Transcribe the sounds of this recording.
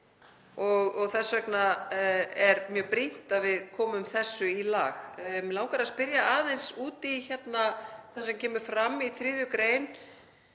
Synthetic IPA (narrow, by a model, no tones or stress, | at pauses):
ɔɣɔɣθɛsvɛkna | ɛɾmjœːpɾin̥t̪aðvɪðkʰɔːmʏmθɛsːʏila̰ːxlawŋkaɾaðspɪɾjaaːðejnsuːt̪içɛt̪naθansɛmcʰɛːmʏ̥fɾamːiθɾɪːðjʏkɾeːjn